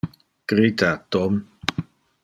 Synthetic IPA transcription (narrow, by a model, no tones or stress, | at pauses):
ɡ̥ɾit̪at̪ɔm